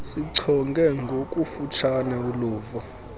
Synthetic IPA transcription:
siǀʰɔŋɡʱɛŋɡʱokʼufut͡ʃʰanɛuluːvɔ

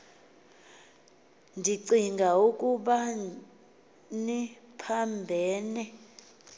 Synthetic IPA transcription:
ndʱiǀiŋɡʱauk̬ʼuɓa | nipʰambʱɛːnɛ

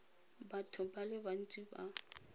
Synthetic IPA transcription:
batʰʊbalɪban̩tʼiba

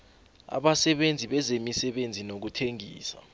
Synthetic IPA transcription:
a̰ɓasɛɓend͡zʱiɓɛzemisɛɓend͡zʱinok̬utʰeŋʱḭːsa̰

